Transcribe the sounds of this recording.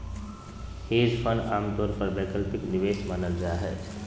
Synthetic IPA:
heːd͡ʒpʰənaːmt̪ɔːɾpəɾbɛːkəlpɪknɪʋeːsmaːnəld͡ʒaːɦɛ̰ː

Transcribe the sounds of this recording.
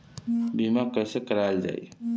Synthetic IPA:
bimakəjsekəɾald͡ʒa̰i

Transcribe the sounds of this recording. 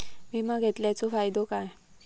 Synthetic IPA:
mimaɡʱet̪ljat͡sofajd̪okaj

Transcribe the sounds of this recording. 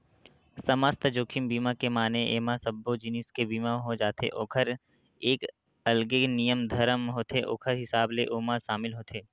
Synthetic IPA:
səməst̪d͡ʒoːkʰɪmbiːmakemaːneʔeːmasəbːod͡ʒɪnɪskebiːmaɦod͡ʒaːt̪ḛʔoːkʰəɾ | eːk | ɐlɡenijəmd̪ʱɐɾəmɦoːt̪eʔo̰ːkʰəɾɦɪsaːbleʔoːmaʃaːmɪlɦoːt̪ʰeː

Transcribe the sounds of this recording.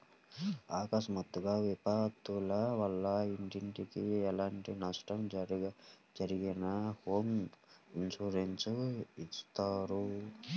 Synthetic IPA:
aːkɐʃɐmɐt̪ːuɡaːʋipat̪ulɐʋɐlːɐiɳʈiɳʈikiɛlaːɳʈinɐʂʈɐmd͡ʒɾ | d͡ʒɐɾiɡinɐhoːminsuɾensist̪aːɾu

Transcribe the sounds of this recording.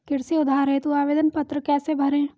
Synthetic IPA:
kɪɽseʊd̪ʱaːɾɦẽt̪uaːʋeːd̪ənpɐt̪ɾəkɛːsebʱɐɾẽː

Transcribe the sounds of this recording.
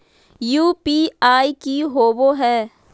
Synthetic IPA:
juːpiːaːikiɦoːboɦɛː

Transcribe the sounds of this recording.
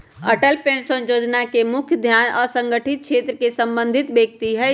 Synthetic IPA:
əʈəlpẽnsənjoːd͡ʒnakemʊkʰjəd̪ʱjaːnɔ̰ːɾsə̃ŋɡəʈʰɪt̪̚kʃʰet̪ɾəkesə̃mbə̃nd̪ʱit̪beːk̚t̪iɦɛ

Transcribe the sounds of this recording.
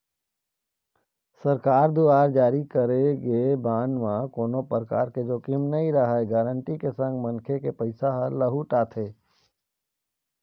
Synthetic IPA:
səɾkaːɾd̪uaːɾd͡ʒaːɾikəɾeɡebaːnmãkoːnopəɾəka̰ːɾked͡ʒoːkimnəĩɾɐɦaeɡaːɾəɳʈikesə̃ŋɡmənkʰekepəɪsaɦəɾləɦuʈaːt̪ʰeː

